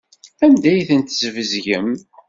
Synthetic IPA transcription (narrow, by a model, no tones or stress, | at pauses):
æmd̪æjθənt̪zəvəzʝəm